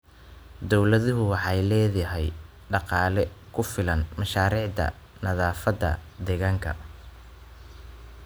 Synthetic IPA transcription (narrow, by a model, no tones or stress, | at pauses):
d̪ɔwlɐðʊɦʊwɑħɑjlɛːjɐɦɛj | ɖɑqɑːlɛkʰʊfɪlɐnmɐʃaːɾiːʕd̪ɐ̰ | nɐðaːfɐd̪ɐ̰d̪ɛɣaːŋkʰɐ̰